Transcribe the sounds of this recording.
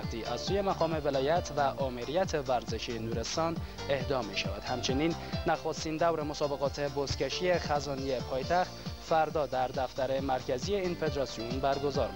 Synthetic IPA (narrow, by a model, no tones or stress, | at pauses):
t̪ʰiːʔæz̥suːje̞mæɣɒːme̞velɒːjæt̪ʰvæʔɒːmeɾijæt̪ʰe̞væɾzeʃinuːɾe̞st̪ɒːn | ehd̪ɒːmiʃævæd̪̥hæmt͡ʃʰeniːnː | æxost̪iːnd̪æwɾemosɒːbe̞ɣɒːt̪ʰe̞bost̪cʲeʃiexæzɒːnie̞pʰɒːjt̪ʰæxt̪fæɾd̪ɒːd̪æɾd̪æft̪æɾe̞mæɾcʰæzije̞iːnfe̞d̪eɾɒsionbæɾɡo̞zɒːɾ